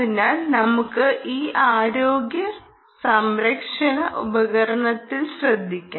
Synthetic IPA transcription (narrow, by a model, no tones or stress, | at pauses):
inaːlnɐmukːɨʔiːʔaːɾoːɡjɐ | sɐmɾɐkʂɐɳɐʔubɐɣɐɾɐɳɐt̪ːilɕrɐd̪ʱːikʲːaː